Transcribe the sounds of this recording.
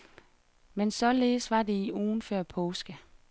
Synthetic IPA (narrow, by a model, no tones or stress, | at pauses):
mensɒ̽leːsʋɑ̈de̝iʔuːnfɶɐ̰pʰɔːsɡ̥ə